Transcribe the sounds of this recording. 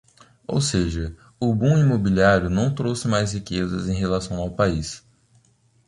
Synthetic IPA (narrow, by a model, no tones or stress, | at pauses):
o̰wseʒɐ | ʊbũimobiliaɾjʊnɐ̃w̃t̪ɾowsɪmajshikezɐzẽj̃ɦelasɐ̃w̃awpais